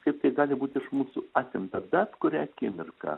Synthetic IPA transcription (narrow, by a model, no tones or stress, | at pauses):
kɐɪp̚t̪ɐɪɡɑːlʲɪbuːt̪ʲɪʃmuːsuɑːsʲɪmt̪ɐd̪ɑt̪kʊɾʲæːkʲɪmʲɪrkɐ̰